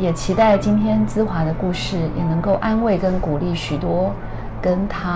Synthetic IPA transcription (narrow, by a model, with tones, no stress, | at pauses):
jɛ˨˩t͡ɕʰi˧˥t̪a˥˩ɪt͡ɕi˥nt̪ʰjɛ˥nt͡sɹ̩˥xwa˧˥d̪ə˧ku˥˧ʂɻ̩˥˩jɛ˨˩nɤ˧˥ŋko˥˩ʊʔa˥nwe˥˩ɪkə˥nku˨˩li˥˩ɕy˨˩t̪wɔ˥ | kə˥nt̪ʰa˦